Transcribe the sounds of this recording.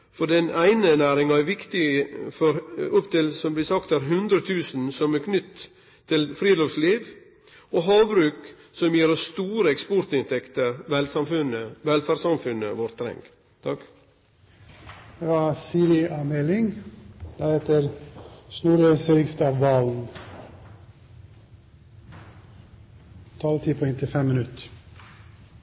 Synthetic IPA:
fɔɖɛnæɪnənæːɾɪŋɑæɾʋɪkt̪ɪfɔɾʊpt̪ɪlsɔmblɪsɑkt̪æɾɦʉnd̪ɾət̪ʰʉːsn̩sɔmɛkʰnʏt̪ʰː | ɪlfɾiːd̪oːʋsliːʋ | ʔoːɦɑːbɾʉːk | sɔmjiːɾəst̪uːɾəɛkspɔɾt̪ɪnt̪ʰɛkt̪əɾʋɛlsɑmfʉnəʋɛlfæɾsɑmfʉnə̰ʋɔɾt̪ʰːɾɛ̰ŋɡ | t̪ʰɑk | d̪̥eʋɑsiːɾɪʔɑːmɛlɪŋd̪̥æɾheːt̪əɾsnuːɾøːsəɾɪkst̪ɑːʋːɑln | t̪ʰɑlət̪ʰiːpʰɔɛŋt̪ʰɪfɛmmɪnʉt̪

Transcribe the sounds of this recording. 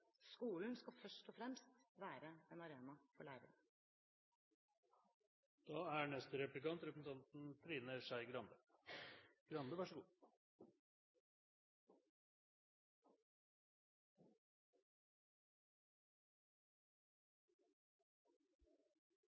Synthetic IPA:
skuːln̩skɑfœʂʈɔfɾɛmst̪ʋæːɾəenɑɾeːnɑfɔɭæ̰ːɾə̰ɾ | d̪̥ɑːæɳɛst̪əɾɛplɪkɑnt̪ɾɛpɾəsn̩t̪ʰɑnt̪n̩t̪ʰɾiːnəʂæɪɡɾɑnd̪ə | ɡ̥ɾɑnd̪əʋæʂəɡuː

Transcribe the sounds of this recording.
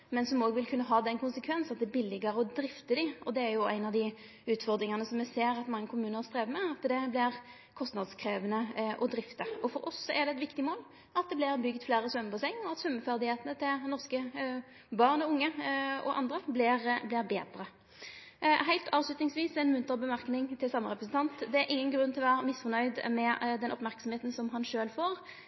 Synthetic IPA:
mɛnsɔmoːɡəʋɪlkʰʉnːəɦɑːd̪ɛnkʰʊnsəkʰʋɛnsɑt̪d̪ɛːbɪlːɪɡəɾəɔd̪ɾɪft̪əd̪ɪʔɔd̪ɛæɾjʊæ̰ɪnɑʋd̪ɪ | ʉːt̪fɔʁd̪ɾɪŋənəsɔmːɛseːɾɑt̪mɑŋːəkʰʊmʉːnəɾst̪ʁeːʋmɛɑt̪d̪ɛblɪʁ | kʰɔst̪nɑd̪skʰɾeːʋənəʔɔd̪ɾɪft̪əɔfɔɾɔsːɔɛʁd̪ɛɛt̪ʋɪkt̪ɪmoːl | ɑt̪d̪ɛblɪʁbʏɡt̪fleːɾəsʋœmbʊsɛŋːɔɑt̪sʉmːəfæʁd̪ɪheːt̪ənət̪ʰɪlnɔʁskə | bɑʁnɔʊŋːəɔ̰ʔɑ̰nd̪ʁəblɪʁblɪɾbeːd̪ɾə | ɦæɪlt̪ɑːʋslʉt̪nɪŋsʋiːsɛnmʉnt̪əʁbəmæɾknɪŋt̪ʰɪlsɑmːəɾɛpɾəsn̩t̪ʰɑnt̪d̪ɛæɾʔɪŋːənɡɾʉnːt̪ʰɪlʋːʁmɪsfɔnœʏd̪mɛd̪ɛnʔɔpmæʁksɔmheːt̪n̩sɔmɦɑnʃøːlfoːɾ

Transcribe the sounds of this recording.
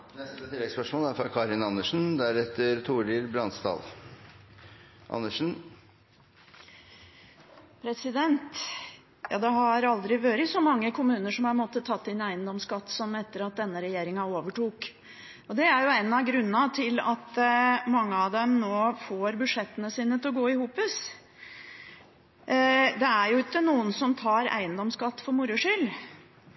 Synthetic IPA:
nɛst̪ət̪ʰɪlːɛɡspœʂmoːlæɾfɾɑkʰɑːɾɪnɑnːəʂn̩d̪æɾɛt̪ːəɾt̪ʰuːɾɪɾbɾɑnst̪ɑ̰ːl | ʔɑ̰nːəʂn̩ | pʰɾɛsɪd̪ɛnt̪ | jɑ̰ːd̪ɛɦɑɾɑld̪ɾɪʋøːɾəsɔmɑŋːəkʰʊmʉːnəʂɔmɑɾmɔt̪ːət̪ʰɑt̪ːɪnæɪənd̪ɔmskɑt̪ːsɔmɛt̪ːəɾɑt̪̚d̪ɛnːəɾɛjeːɾɪŋɑoːʋəʈuːk | ɔd̪ɛæɾjʊɛnːɑɡɾʉnːɑt̪ʰɪlɑt̪mɑŋːəɑʋd̪ɛmnoːfoːɾbʉd̪ʂɛt̪ːənəsiːnət̪ʰɪlɔɡoːɪhuːpəs | d̪ɛæɾjʊɪkːənuːənsɔmt̪ʰɑːɾæ̰ɪənd̪ɔmskɑt̪ːfɔɾmʊɾʊʂʏl

